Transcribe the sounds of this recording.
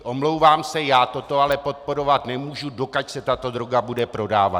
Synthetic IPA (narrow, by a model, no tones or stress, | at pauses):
ʔomlo̞wvaːmsɛjaːt̪o̞t̪o̞alɛpo̞t̪̚po̞ɾo̞vat̪nɛmuːʒudo̞kacsɛt̪at̪o̞d̪ɾo̞ɡabudɛpɾo̞daːva̰